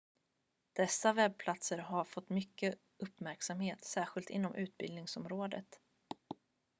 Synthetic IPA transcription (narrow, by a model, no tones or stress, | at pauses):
d̪̥ɛsːavɛb̚pʰlat̪səɾɦaɾfɔt̪ːmʏkːə | ʔɵpːmæɾksamheːt̪sæːɧɪlt̪ɪ̰nːɔmʔʉ̟ːt̪̚bɪlnɪŋsɔmɾoːd̪ə̰t̪